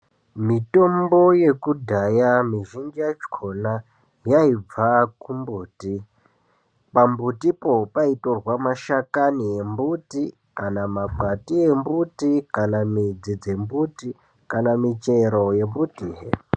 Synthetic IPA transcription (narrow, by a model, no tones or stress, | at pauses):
mito̞mbo̞je̞kudʱajamiʒind͡ʒiat͡ʃkʰo̞na | jaib͡vakumbuːti | pambutipo̞paitorwamaʃakanie̞mbuti | kanamaɡ͡batie̞mbutikanamid͡zid͡ze̞mbuti | kanamit͡ʃe̞ɾo̞je̞mbutiːɦe